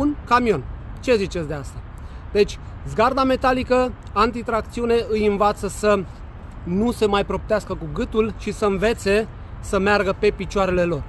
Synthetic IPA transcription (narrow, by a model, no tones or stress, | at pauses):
unkamio̞nt͡ʃe̞zit͡ʃe̞t̪sd̪east̪a | d̪e̞t͡ʃʲzɡard̪ame̞t̪alikə | ant̪it̪ɾak̚t̪siune̞ɨjɨnvat̪səsə | nuse̞majpɾo̞p̚t̪easkəkuɡɨt̪ulʃisəɨnve̞t̪se̞ | səmearɡəpe̞pit͡ʃoaɾe̞le̞lo̞r